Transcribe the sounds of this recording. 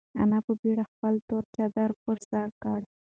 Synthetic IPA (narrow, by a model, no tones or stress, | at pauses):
a̰napəbiɽaxpəlt̪oɾt͡ʃad̪aɾpəɾsaɾkaɽ